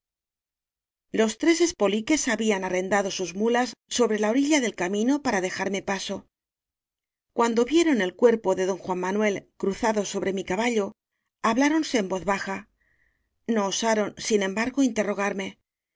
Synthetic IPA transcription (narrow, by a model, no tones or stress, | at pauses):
lo̞st̪ɾe̞se̞spo̞like̞saβianare̞nd̪aðo̞suzmulasːo̞βɾe̞lao̞ɾiʎaðe̞lkamĩno̞paɾaðe̞xaɾme̞paso̞ | kwand̪o̞βje̞ɾo̞ne̞lkwe̞ɾpo̞ðe̞ðo̞ŋxwamːanwe̞lkɾuθaðo̞so̞βɾe̞mikaβaʎo̞ | aβlaɾo̞nse̞ːmbo̞θβaxa | no̞ːsaɾo̞nsinẽmbaɾɣo̞int̪e̞ro̞ɣ̞aɾme̞